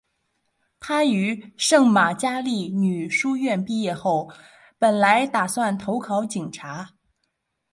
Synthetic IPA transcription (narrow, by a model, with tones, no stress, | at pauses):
t̪ʰa˥y˧˥ʂɤ˥˩ŋma˨˩t͡ɕja˥li˥˩ny˨˩ʂu˥ɥɛ˥˧npi˥˧jɛ˥˧xo˥˩ʊ | pə˨˩nla˧˥ɪt̪a˨˩swa˥˩nt̪ʰo˧˥ʊkʰɑ˧˥ʊt͡ɕi˨˩ŋʈ͡ʂʰa˧˥